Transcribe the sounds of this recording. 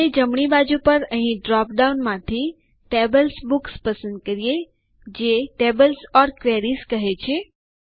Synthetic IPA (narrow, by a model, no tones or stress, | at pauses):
ed͡ʒəmɳ̃ibad͡ʒupəɾəɦĩɖɾɔp̚ɖaunmãt̪ʰi | ʈebəlsbukspəsə̃nd̪̚kəɾije | d͡ʒeʈebəlsɔɾkʋeɾiskəɦet͡ʃʰe